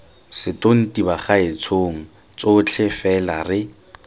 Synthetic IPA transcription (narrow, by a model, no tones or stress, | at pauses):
sɪton̩tibaχaɪt͡sʰoŋ̩ | t͡sot͡ɬʰɪfɛlarɪ